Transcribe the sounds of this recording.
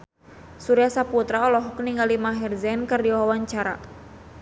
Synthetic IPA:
suɾiasaput̪ɾaɔlɔɦɔkniŋɡalimaɦirzɛnkɨrdiwawaɲt͡ʃaɾa̰

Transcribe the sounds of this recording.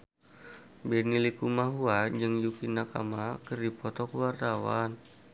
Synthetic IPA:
bɛnilikumaɦuand͡ʒɨŋjukinaka̰makɨrdipɔt̪ɔkəwart̪awan

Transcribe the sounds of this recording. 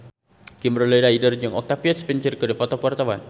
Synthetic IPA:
kimbɾɔlɛdaidərd͡ʒəŋɔk̚t̪apiɔt̪spint͡ʃirkɨdipɔt̪ɔkwart̪awan

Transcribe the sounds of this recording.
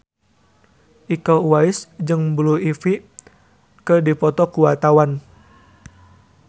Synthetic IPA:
ʔikawaɪsd͡ʒɨŋbluifi | kədipɔt̪ɔkuwat̪awan

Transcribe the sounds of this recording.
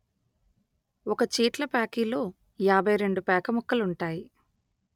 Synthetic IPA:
ɔkɐt͡ʃiːʈlɐpaːkiːlo̞ː | jaːbʱɐjɾe̞ɳɖupɛːkɐmɔkːɐluɳʈaːji

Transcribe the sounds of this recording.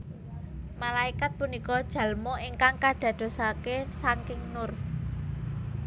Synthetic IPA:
malaikat̪̚punikɔd̥ʒ̥a̤lmoiŋkaŋkaɖ̪̥a̤d̪̥o̤sakesaŋkɪŋnʊr

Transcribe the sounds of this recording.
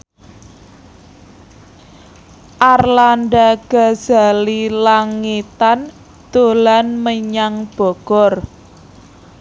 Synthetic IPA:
ʔarlanɖaɡ̥aza̤lilaŋit̪an | d̪̥o̤lanməɲaŋb̥ɔ̤ɡ̥ɔr

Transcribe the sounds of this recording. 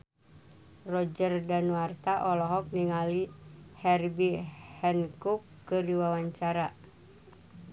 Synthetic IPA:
rɔd͡ʒərdanuwart̪aʔɔlɔɦɔk̚niŋalihɛrbihɛnkukːɨrdiwawaɲt͡ʃaɾa

